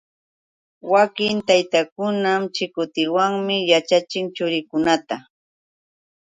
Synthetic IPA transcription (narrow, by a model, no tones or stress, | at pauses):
wakɪnt̪ajt̪akʊnamt͡ʃɪkʊt̪ɪwaŋmɪjat͡ʃat͡ʃɪŋt͡ʃʊɾɪkʊnat̪a